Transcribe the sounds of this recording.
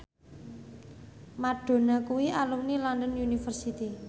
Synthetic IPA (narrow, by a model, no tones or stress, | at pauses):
maɖ̥o̤nakuwiʔalumnilɔndənunifərsit̪i